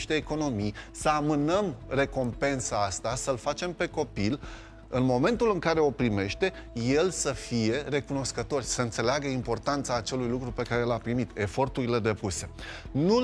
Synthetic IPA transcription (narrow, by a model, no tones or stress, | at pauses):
ʃt̪eːko̞no̞mijsəamɨnəmre̞ko̞mpe̞nsaast̪asəlfat͡ʃe̞mpe̞ko̞pil | ɨnmo̞mẽ̞nt̪ulɨŋkaɾe̞o̞pɾime̞ʃt̪e̞je̞lsəfije̞re̞kuno̞skət̪o̞rʲsəɨnt̪se̞leaɡəimpo̞rt̪ant̪saːt͡ʃe̞lujlukɾupe̞kaɾelapɾimit̪e̞fo̞rt̪uɾile̞d̪e̞puse̞nu